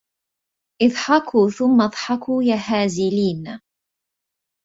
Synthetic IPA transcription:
ʔɪðˤħɑkʰuːθʊmːaðˤħɑkʰujahaːzɪliːn

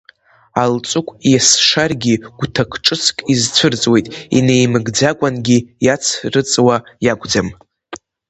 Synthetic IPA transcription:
alt͡sʷʼʊkʷʼjasʂarɡʲiɡ̥ʷtʰakʰʈ͡ʂʼɨt͡sʰkʼizt͡sʷʰɨrt͡sʼwe̞jtʼḭnejmɨɡd͡zakʷʼanɡʲijat͡sʰrɨt͡sʼwajaɡʷʼd͡zam

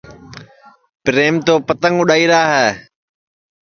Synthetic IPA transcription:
pɾeːmt̪oːpət̪əŋʊɗaːiːɾaːɦɛː

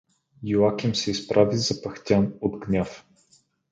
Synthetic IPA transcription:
juakʲimsɛispɾʔavizɐpɐxt̪ʲanod̪ɡnʲaf

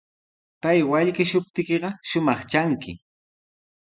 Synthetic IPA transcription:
pajwaʎkɪʃʊp̚t̪ɪkeɢɑʃʊmɑχt͡ʃaŋkɪ̰

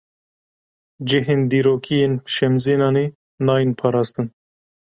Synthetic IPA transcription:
d͡ʒɪɦeːnd̪iːɾoːkʰijeːnʃɛmzeːnɑːneː | nɑːjinpʰɑːɾɑːst̪ɨn

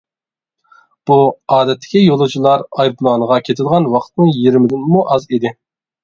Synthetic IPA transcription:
b̥uɑːd̪ɛt̪ʰːɪ̥kʲijolˠut͡ʃʰilˠɑɾɑjd̪unˠɑːnəʁɑkʲʰet̪ʰɪlˠʁɑnwɑqʰt̪nɨŋjiɾmɪd̪ɪnmuʔɑzid̪ɪ

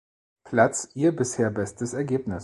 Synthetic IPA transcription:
pʰl̥at͡sʔiːɐbɪsheːɐbɛstəsɛɐɡeːpnɪs

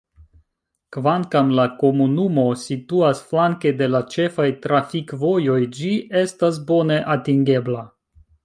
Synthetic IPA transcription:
kvaŋkamlako̞munumo̞situasflaŋke̞de̞lat͡ʃe̞fajtɾafikvo̞jo̞jd͡ʒie̞stas̬bo̞ne̞ʔatiŋɡe̞bla

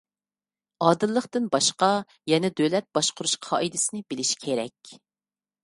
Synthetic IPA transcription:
ɑːd̪ɨlˠːəχt̪ɨnbɑʃqɑ | jɛnɛd̪ølɛt̪̚b̥ɑʃqʊɾuʃqʰɑ̰ːʔid̪ɪsɪnɪbɪlɪʃi̥kʲʰeɾɛ̰kʲ

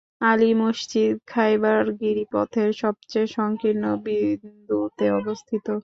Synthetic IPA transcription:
alimoʃt͡ɕid̪kʰajbaɾɡiɾipɔ̰t̪ʰeɾʃɔb̚t͡ɕejʃɔŋkiɾnobind̪ut̪eɔbost̪ʰit̪o

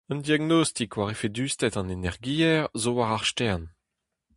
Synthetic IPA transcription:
œnd̪iaɡnost̪ikwaʁefed̪yːst̪ɛtɑ̃nenɛʁɡiːɛʁzowaʁaʁʃtɛʁn

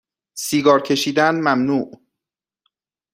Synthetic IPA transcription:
siːɡɒːɾcʰe̞ʃiːd̪ænmæmnuːʔ

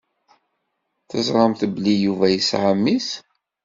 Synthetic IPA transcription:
θəzɾˤɑmθblijuvæjisʕamːis

